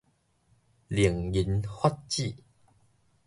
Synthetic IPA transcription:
li˨˩əŋji˨˦nhwa˦˥t̚t͡ɕi˥˨

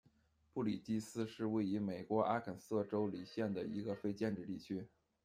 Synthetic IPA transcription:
pu˥˩li˨˩t͡ɕ̪i˥sɹ̩˥ʂɻ̩˥˧we˥˩ɪy˧˥me˨˩ɪkwɔ˧˥ʔa˥kʰə˨˩nsɤ˥˩ʈ͡ʂo˥ʊli˨˩ɕjɛ˥˩nd̪ə˩ḭ˧˥ɡə˧fe˥ɪt͡ɕjɛ˥˧nʈ͡ʂɻ̩˥˧t̪i˥˩t͡ɕʰy˥

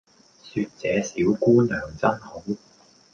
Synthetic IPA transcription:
syː˧t̚t͡sɛː˨˧siː˨˥wkuː˥nœː˨˩ŋt͡sɐ˥nho˨˥w

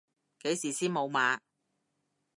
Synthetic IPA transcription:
ke˨˥jsiː˨˩siː˥nmo˨˧wmaː˨˧

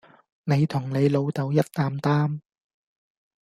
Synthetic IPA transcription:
ne˨˧jt̪ʰʊ˨˩ŋne˨˧jlo˨˧wt̪ɐ˨˧wjɐ˥t̚t̪aː˧mt̪aː˥m

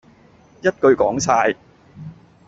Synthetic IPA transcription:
jɐ˥t̚kɵ˧ɥkɔ̰ː˨˥ŋsaː˧j

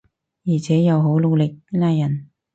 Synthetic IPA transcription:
jiː˨˩t͡sʰɛː˨˥jɐ˨˧wɦo˨˥wlo˨˧wlɪ˨k̚ːnaː˧jɐ˨˩n

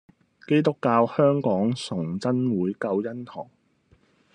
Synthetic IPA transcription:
ke˥jt̪ʊ˥kːaː˧whœː˥ŋkɔː˨˥ŋsʊ˨˩ŋt͡sɐ˥nwuː˨˥jkɐ˧wjɐ˥nh̪ʰɔː˨˩ŋ

